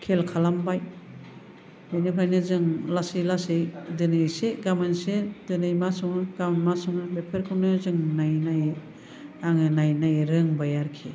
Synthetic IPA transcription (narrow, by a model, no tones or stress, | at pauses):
kʰelkʰalambaj | bɯnɯpʰajnɯzɯŋlasilasɯjdɯnɯjseɡamensedɯnɯjmasɔŋɯɡamnmasɔŋɯbepʰeɾkʰɯwnɯzɯŋnajnaj | aŋɯnajnajɾɯŋbajaɾkʰi